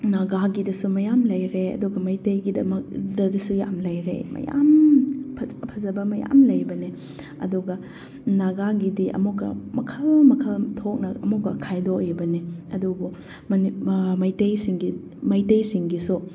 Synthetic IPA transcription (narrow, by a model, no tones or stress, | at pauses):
naɡaɡidɐsumɐjamlɐjɾeɐ̰duɡɐmɐjtɐjɡidɐmɐk̚dɐdɐsuja̰mlɐjɾḛmɐ̰ja̰mpʰpʰɐzɐbɐmɐja̰mlɐjbɐne | ɐ̰duɡɐ | naɡaɡidiʔɐ̰mukːɐ̰mɐkʰɐlmɐkʰɐltʰok̚nɐɐ̰mukːɐkʰajdojbɐneɐdubu | mɐnimɐjtɐjsiŋɡi | mɐjtɐjsiŋɡisu